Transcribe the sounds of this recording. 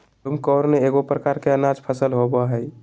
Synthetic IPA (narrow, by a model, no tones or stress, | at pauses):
t̪umkɔːɾneeɡopɾəkaɾkeənad͡ʒpʰəsəlɦobaɦəj